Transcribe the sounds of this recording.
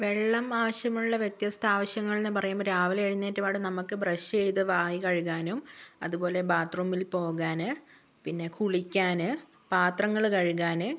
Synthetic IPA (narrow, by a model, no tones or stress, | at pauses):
ʋe̞ɭːɐmaːʋɐɕjɐŋmːuɭuɭːɐʋjet̪jɐst̪ʰaːʋɐɕjɐŋːɐɭenːɨpɐrɐjumɾaːʋɐleɻinːeːtːɨpaːɽɨnɐmukːɨbrɐɕt͡ɕe̞jt̪ɨʋaːjikɐɻuɣaːnumɐðubo̞ːle̞baːt̪ruːmːilpo̞ːɣaːnɨ | pinːe̞kʰuɭikʲːaːnɨ | paːt̪rɐŋːɐɭkɐɻuɣaːnɨ